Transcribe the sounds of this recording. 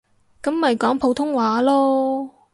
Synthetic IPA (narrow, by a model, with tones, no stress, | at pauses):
kɐ˨˥mːɐ˨jkɔː˨˥ŋpʰo˨˧˥wt̪ʰʊ˥ŋwaː˨˥lɔː˥